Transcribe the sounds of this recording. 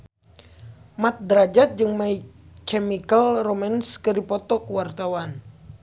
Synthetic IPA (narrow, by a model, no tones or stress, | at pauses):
mat̪̚dɾad͡ʒat̪̚d͡ʒɨŋmai | kɛmikəlrɔmɛnskɨdipɔt̪ɔkuwart̪awan